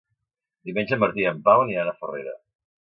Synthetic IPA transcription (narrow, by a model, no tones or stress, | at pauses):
d̪imenʲd͡ʒəməɾt̪iəmpawnianəfərḛɾə̰